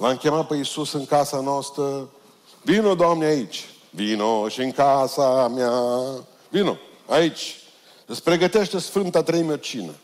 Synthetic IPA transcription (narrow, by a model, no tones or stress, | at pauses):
lamkʲe̞mat̪̚pe̞isusɨŋkasanoast̪ɾə | vinod̪oamneait͡ʃʲ | vinoʃiɨŋkasamja | vino̰ | ait͡ʃʲ | əspɾe̞ɡət̪eʃt̪e̞sfɨnt̪at̪ɾejmot͡ʃinə̰